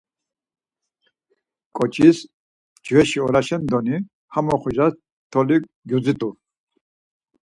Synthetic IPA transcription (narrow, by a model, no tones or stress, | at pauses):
kʼɔt͡ʃʰʼis | d͡ʒvɛʃiɔɾaʃɛnd̪ɔni | hamɔχɔʒas | t̪ʰɔli | ɡjud͡zit̪ʼu